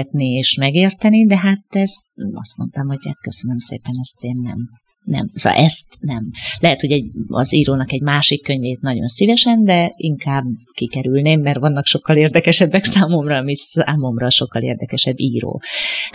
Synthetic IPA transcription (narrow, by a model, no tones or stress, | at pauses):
t̪nieːʃmɛɡeːrt̪ɛnid̪ɛɦat̪ɛzɒ̰st̪mo̞̰nt̪ɒmho̞ɟha̰t̪kø̞sønømsḛːpɛnɛst̪eːnːɛ̰m | nɛ̰mso̰ʔɛst̪nɛmlɛɦɛt̪ho̞ɟɛɟɒ̰ziːɾoːnɒkɛɟmaːʃikːøɲveːt̪nɒɟo̞̰nsivɛʃɛnd̪ɛiŋkaːbkikɛɾylneːmːɛrʋɒnːɒkʃo̞kːɒleːrd̪ɛkɛʃɛbːɛksaːmo̞mrɒːmisa̰ːmo̞mrɒʃo̞kːɒlḛːrd̪ɛkɛʃɛbːiːɾo̰ː